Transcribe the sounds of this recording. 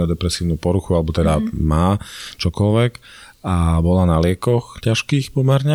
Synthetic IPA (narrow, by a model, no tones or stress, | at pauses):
ɔd̪ɛpɾɛsiːʊnuːpɔɾuxualɛbɔt̪ɛd̪amaːt͡ʃɔkɔlʋɛk | abɔlanalɪɛkɔxcaʃkiːxpɔmɛɾɲɛ